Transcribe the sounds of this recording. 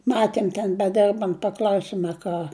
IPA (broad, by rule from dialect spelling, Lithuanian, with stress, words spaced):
ˈmɑːtʲiɛm tʲɛn bʲɛˈdʲɛrbɐnt pɐˈklʲɐʊsʲɪm ɐ ˈkɑː